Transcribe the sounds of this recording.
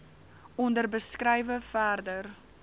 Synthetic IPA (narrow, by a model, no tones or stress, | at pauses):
ɔndərbəskɾɛjvəfæːrdər